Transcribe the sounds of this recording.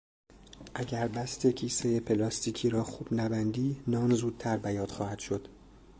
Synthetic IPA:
ʔæɟʲæɾbæst̪ʰe̞cʰiːsejepʰe̞lɒːst̪ʰiːcʰiːɾɒːxuːb̥næbænd̪iːnɒːnzuːd̪̥̚t̪ʰæɾbæjɒːd̪̥xɒːhæd̪̥ʃo̞d̪̥

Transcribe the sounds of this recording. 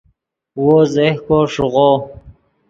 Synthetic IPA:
wozehkoʂʊʁo

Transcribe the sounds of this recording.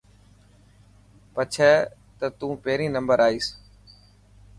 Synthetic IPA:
pət͡ʃʰɛː | t̪ət̪ũːpeːɾĩːnəmbəɾaːiːs

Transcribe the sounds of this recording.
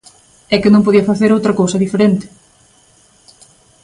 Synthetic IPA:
ɛkɪnõmpoðiɐfaθeɾowt̪ɾɐkowsɐðifeɾent̪ɪ̥

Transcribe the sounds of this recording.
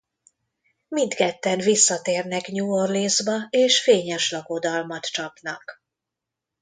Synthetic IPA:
mint̪kɛt̪ːɛnvisːɒt̪eːrnɛkɲuːorlizbɒeːʃfeːɲɛʃlɒɡo̞d̪ɒlmɒt̪t͡ʃɒpnɒk

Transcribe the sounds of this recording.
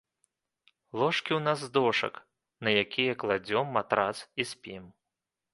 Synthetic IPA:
lˠɔʂkʲiwnazd̪ɔʂɐ̰k | nɐjakʲijɐklˠad͡zʲɔmːat̪ɾat̪sisʲpʲim

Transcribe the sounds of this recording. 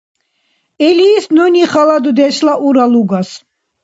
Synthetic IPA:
ɛliːsnɔniχalad̪ud̪ɛʃlaʔuɾaluɡas

